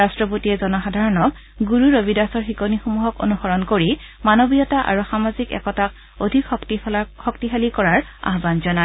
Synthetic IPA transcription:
astɹɔpotiɛzɔnɔxadʱaɹɔnɔk | ɡuɹuɹobidasɔɹxikonixomuɦɔko̰nuxɔɹɔnkoɹi | manobijɔtaʔa̰ɹuxamazikɛ̰kɔtak̚ | odʱikɔktixɔktiɦalikɔɹaɹa̰ɦbanzɔna

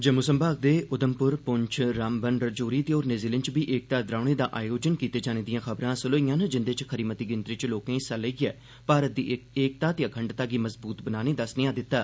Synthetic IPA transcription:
d͡ʒəmʊsəmbaːɡ̚d̪eːʊd̪əmpʊɾpʊɲt͡ʃʰɾaːmbənɖəɾd͡ʒoːɾiːt̪eoːɾneziːlənt͡ʃbiːʔeːk̚t̪aːd̪ɾaːɽ̃eːd̪a̰ːʔaːjoːd͡ʒənkiːt̪eːd͡ʒaːneːd̪ijãːxʰəbɾãːsʊloːijãːnd͡ʒɪnd̪eːt͡ʃkʰəɾiːmət̪iːɡɪnt̪ɾiːt͡ʃloːkẽĩːsələiɡɛː | paːɾət̪̚d̪iːeːk̚t̪aːt̪jaːkʰəɳɖt̪aːɡiːməzbuːt̪bənaːneːd̪əsnɪjãːd̪ɪt̪ːaː

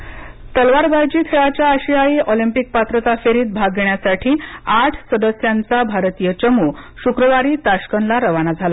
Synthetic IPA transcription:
t̪əlʋaɾbʱajd͡ʑiːt̪ʰeɭat͡ɕjaːɕijaiːʔolimpik̚pat̪ɾət̪afeɾiːt̪̚bʱaɡeɳjasaʈʰiːaʈʰsəd̪əsjant͡sabʱaɾt̪ijət͡ɕəmuːɕukɾəʋaɾiːt̪aɕkənlaɾəʋanad͡zʱala

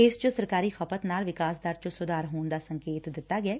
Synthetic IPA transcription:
ɪst͡ʃosəɾkaːɾiːxʰəpət̪naːlʋɪkaːsd̪aːɾt͡ʃosʊd̪aːɾɦoːnd̪aːsəŋkeːt̪d̪ɪt̪ːaːɡɛː

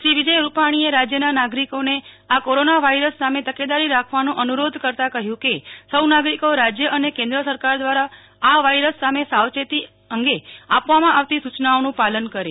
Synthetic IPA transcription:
ʃiʋɪd͡ʒəjɾupaɽ̃ieɾad͡ʒjənanaɡɾikone | akoɾonaʋaiɾəsːamet̪əked̪aɾiɾakʰʋanũʔənuɾod̪ʱkəɾt̪akəɦjũkesəwnaɡɾikoɾad͡ʒjəʔənekẽnd̪ɾəsəɾkaɾd̪ʋaɾaː | ʋajɾəsːamesawt͡ʃet̪i | əŋɡeapʋamãʔaʋt̪isut͡ʃnaonũpalənkəɾe

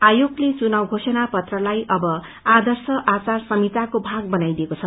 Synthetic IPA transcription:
ajoɡlet͡sunawɡʱosʌnapʌt̪rʌlajʔʌbʌ | ad̪ʌrsʌʔat͡sarsʌmit̪akobʱaɡ̚bʌnajd̪iekot͡sʰʌ

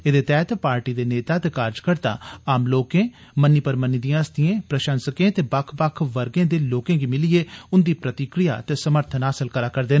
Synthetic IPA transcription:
ed̪eːt̪ɛːt̪paːɾʈiːd̪eːneːt̪aːt̪eːkaːɾd͡ʒkəɾt̪ã̰ːaːmloːkẽː | mənːiːpəɾmənːiːd̪ijãːəst̪ɪjẽːpɾəʃə̃nsəkẽːt̪eːbakʰbakʰʋəɾɡẽːd̪eːloːkẽːɡiːmɪlieːʊnd̪iːpɾət̪ɪkɾɪja̰ːt̪eːsəməɾt̪ʰənɦaːsəlkəɾaːkəɾd̪eːn

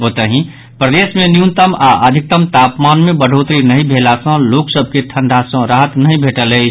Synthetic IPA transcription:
ot̪əɦĩ | pɾəd̪esmenjunt̪əmaʔəd̪ʱik̚t̪əmt̪apmanmẽbəɖ̤ʱot̪ɾinəɦĩbʱelasə̃loksəbʱket̪ʰəɳɖʱasə̃ɾaɦət̪nəɦĩbʱeʈələt͡ʃʰ

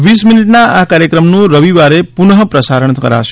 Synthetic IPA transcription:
ʋisminiʈnaakaɾjəkɾəmnũɾəʋiʋaɾepunɦəpɾəsaɾəɳkə̰ɾa̰ʃ

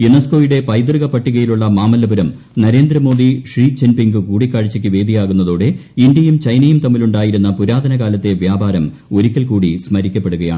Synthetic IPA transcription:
junɐsko̞ːjiɽe̞pɐjd̪rɣɐpɐʈːiɣɐjiluɭːɐmaːmɐlːɐbɐɾɐm | nɐɾe̞ːnd̪ɾɐmo̞ːd̪iʂriːt͡ɕenpiŋɡɨkuːɽikːaːɻit͡ɕːɐkʲːɨʋe̞ːd̪ʱijaːɣunːɐðoːɽe̞ind̪jɐjumt͡ɕɐjnɐjumt̪ɐmːiluɳɖaːjiɾunːɐpuɾaːd̪ʱɐnɐɣaːlɐt̪ːe̞ʋjaːbaːɾɐm | o̞ɾikʲːɐlkuːɽismɐɾikʲːɐpːe̞ɽuɣɐja̰ːɳɨ

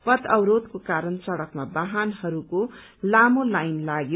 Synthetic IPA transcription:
pʌt̪ʌwɾod̪kokaɾʌnt͡sʌɽʌkmabaɦanhʌɾuko | lamolajnlaɡjo

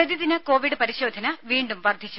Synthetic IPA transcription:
ɐd̪iðinɐko̞ːʋiɖɨpɐɾiɕo̞ːd̪ʱɐnɐʋiːɳɖumʋɐrd̪ʱit͡ɕːu

